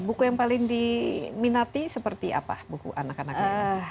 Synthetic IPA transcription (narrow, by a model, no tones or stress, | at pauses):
bukujaŋpalɪŋdiminat̪isəpərt̪iʔa̰pa̰bukṵʔanakanakə